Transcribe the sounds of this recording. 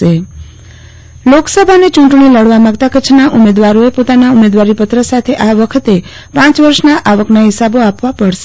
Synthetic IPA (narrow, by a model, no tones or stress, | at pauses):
e | loksəbʱanet͡ʃũɳʈɳiləɽʋamãɡt̪akət͡ʃʰnaʔumed̪ʋaɾoepot̪anaumed̪ʋaɾipət̪ɾəsat̪ʰeʔaʋəkʰət̪e | pãt͡ʃʋəɾʃnaʔaʋəknaɦɪsaboapʋapəɽʃe